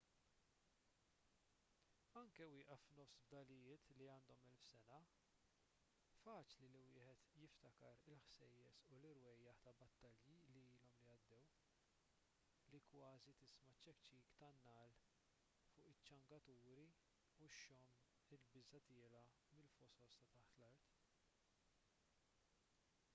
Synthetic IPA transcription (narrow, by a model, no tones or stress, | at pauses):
ɐŋkɛwɪːʔɐfnɔfsbd̪ɐlɪjɪːt̪liɐːnd̪ɔmɛlfsɛnɐ | fɐːt͡ʃliliwɪːħɛt̪jɪft̪ɐkɐɾɪlħsɛjːɛsulɪɾwɛjːɐħt̪ɐbɐt̪ːɐljiliiːlɔmlijɐd̪ːɛw | likwɐːzit̪ɪsmɐt͡ʃːɛkt͡ʃːiːkt̪ɐnːɐːl | fʊːʔɪt͡ʃːɐŋɡɐt̪uːɾi | uʃːɔm | ɪlbɪzɐt̪ɪːlɐ | mɪlfɔsɔlst̪ɐt̪ɐħt̪lɐɾt̪